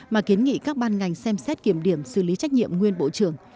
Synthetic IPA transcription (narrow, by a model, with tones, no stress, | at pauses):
maː˨˩ki˨˦ənŋḭ˧˨kaː˦˥k̚ɓaː˧nŋa˨˩jŋ̟sɛ˧msɛ˦˥t̚ki˧˩əmɗi˧˩əmsɨ̰˧˩li˨˦t͡ɕa˦˥jk̟̚ɲḭ˧˨əmŋwi˧ənɓo̰˧˨t͡ɕɨ˧˩əŋ